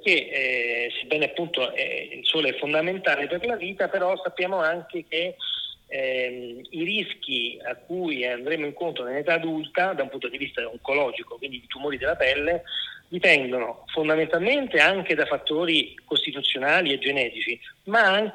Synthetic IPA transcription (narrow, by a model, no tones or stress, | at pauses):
k̟e | sebːɛːneapːunt̪oɛ̰ḭlsoːloɛfːond̪ament̪aːleperlaviːt̪apeɾɔsapːjaːmoaŋk̟eke | iɾisk̟iakːujand̪ɾeːmoiŋkont̪ɾonelet̪aːd̪ult̪ad̪aumpunt̪od̪ivist̪aoŋkolɔːd͡ʒikokwind̪id̪it̪umoːɾid̪elːapɛlːed̪ipɛnd̪onofond̪ament̪alment̪eaŋk̟ed̪afat̪ːoːɾikost̪it̪ut̪sːjonaːlied͡ʒenɛːɾit͡ʃimaaŋk